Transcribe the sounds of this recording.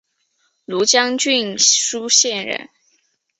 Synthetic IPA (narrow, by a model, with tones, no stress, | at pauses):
lu˧˥t͡ɕjɑ˥ŋt͡ɕy˥˩nʂu˥ɕjɛ˥˧nɻə̰˧˩n